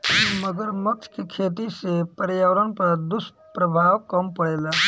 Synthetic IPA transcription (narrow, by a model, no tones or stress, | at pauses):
məɡəɾmək̚t͡ʃʰkekʰeːt̪̬isepəɾjaʋəɾənpɐɾd̪ʊsʈ | pɾəbʱaːwkəmpəɽeːlaː